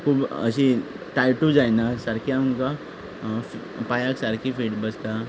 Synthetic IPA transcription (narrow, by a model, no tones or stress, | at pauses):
kʰuːbə̰ɕi | ʈajʈud͡zajnasaɾkʰjãŋka | f | pajaksaɾkifiʈbəst̪a